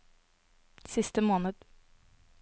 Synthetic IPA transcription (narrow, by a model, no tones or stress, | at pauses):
sɪst̪əmoːnəd̪̥